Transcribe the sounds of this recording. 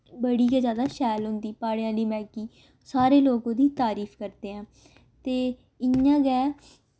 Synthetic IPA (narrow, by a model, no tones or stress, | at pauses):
bəɽiːkeːzjaːd̪aːʃɛːlɦʊnd̪iːpaːɽejãːliːmɛ̃ːkiː | saːɾeːloːɡõːd̪iːt̪aːɾiːfʰkəɾt̪eːɦɛ̃ː | t̪eː | ɪjãːɡɛː